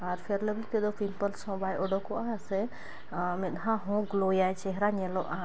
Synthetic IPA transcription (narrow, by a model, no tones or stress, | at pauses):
aɾpʰeɾləblit̪ɛd̪ɔpimpəlsɔ̃bajɔɖɔkɔasɛ | mɛɗ̪ɦãɦɔ̃ɡlojaɛt͡ʃɛɦɾaɲɛlɔʔa